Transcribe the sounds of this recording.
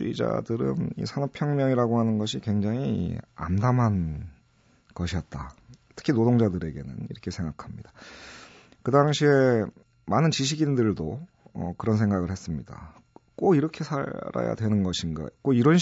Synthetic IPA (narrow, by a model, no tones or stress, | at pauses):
id͡ʑa̰dɯɾɯ̰nḭsʰanʌpʰjʌŋmjʌŋiɾaɡohanɯnɡʌɕʰikweŋd͡ʑaŋḭa̰mdamɦan | kʌɕʰiʌt̚t͈atʰɯ̥kʰinodoŋd͡ʑadɯɾe̞ɡe̞nɯ̰nḭɾʌkʰe̞sʰe̞ŋɡakʰamɲid̥a | kɯdaŋɕʰie̞ | manɯnt͡ɕiɕ̬ʰiɡindɯɭdo | ʌ̰kɯɾʌnsʰe̞ŋɡaɡɯɭhe̞s͈ɯmɲida̰ | k͈oiɾʌkʰe̞sʰa̰ɾa̰ja̰dwe̞nɯnɡʌɕʰinɡa̰k͈oiɾʌnɕ